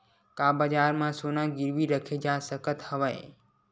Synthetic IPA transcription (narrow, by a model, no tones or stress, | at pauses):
kaːbəd͡ʒaːɾmãsoːnãɡɪɾʋiːɾəkʰed͡ʒaːsəkət̪həʋəj